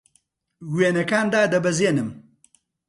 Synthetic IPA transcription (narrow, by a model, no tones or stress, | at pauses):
weːnɐkaːnd̪aːd̪ɐbɐzeːnɨm